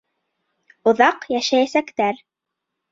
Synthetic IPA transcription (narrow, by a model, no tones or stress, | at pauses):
ŏðɑqjæʃæjæsækt̪æɾ